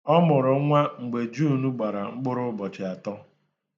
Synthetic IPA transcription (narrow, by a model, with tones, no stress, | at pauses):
ɔ˦mʊ˨ɾʊ˨˦ŋʷa˦ŋ͡m̩˨ɡ͡be˨d͡ʒu˦˨nu˦ɡ͡ba˨ɾa˨ŋ͡m̩˦ɡ͡bʊ˦ɾʊ˦bɔ˨t͡ʃɪ˨a˨tɔ˦